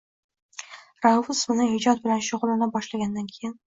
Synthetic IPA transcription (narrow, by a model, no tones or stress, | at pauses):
ɾavʊsmɪnɪhɪd͡ʒɒt̪̚bɪlanʃʊʁlɪnɪbɒʃlaɡʲand̪ankʲʰejɪn